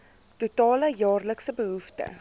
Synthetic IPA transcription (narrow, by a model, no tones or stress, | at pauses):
tutɑːləjɑːrləksəbəɦuftə̰